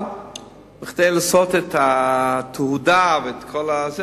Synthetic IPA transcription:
bɪχdeɪlasɔtɛtatʰəhudavɛɛtkʰɔlˠaze

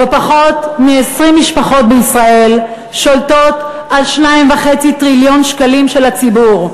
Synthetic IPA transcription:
vepaχo̞tmiesʁimːiʃpaχo̞t̚beisʁae̞l | ʃo̞lto̞t | ʔalʃnaimvaχe̞t͡sitʁiljo̞nʃkalimʃe̞lat͡sibuʁ

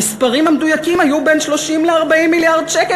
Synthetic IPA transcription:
ispaʁimamdujakimhajubenʃlo̞ʃimleaʁbaimːiljaʁdʃeke

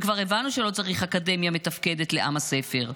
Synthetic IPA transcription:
kvaʁevanuʃe̞lo̞t͡saʁiχaːkade̞mjame̞t̪afkede̞tle̞ʔa̰mase̞fe̞ʁ

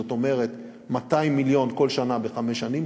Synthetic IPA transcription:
ot̪o̞me̞ʁe̞t̪ | mataimːiljo̞nko̞lʃanabeχame̞ʃanim

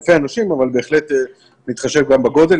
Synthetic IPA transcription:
feanaʃimavalbe̞ːχle̞t̪e | nit̪χaʃevɡambaɡo̞d̪e̞

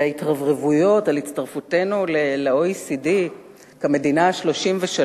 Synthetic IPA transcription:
aitʁavʁevujo̞talitt͡staʁfute̞nuleleoisidi | kame̞dinaaʃlo̞ʃimveʃa

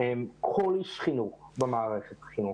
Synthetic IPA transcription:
ɛmkʰɔliʃχinuχbəmaːɾɛχɛt̪χinuχ

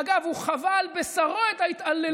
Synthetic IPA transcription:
ɡavuχavalbesaʁo̞et̪ait̪alːe

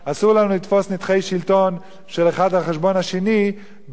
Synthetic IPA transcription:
asuʁlanulit̪fo̞snit̪χejʃilt̪o̞n | ʃe̞leχadhaχeʃbo̞naʃe̞ni

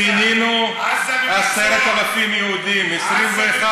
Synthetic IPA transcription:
ininu | aseɾat̪alafimjehud̪imesɾimveːχa

